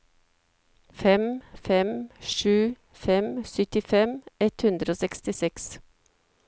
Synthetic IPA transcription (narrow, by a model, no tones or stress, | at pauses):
fɛmfɛmʃʉː | fɛmsœt̪ɪfɛmʔɛt̪hʉnd̪ɾoːsɛkst̪ɪsɛks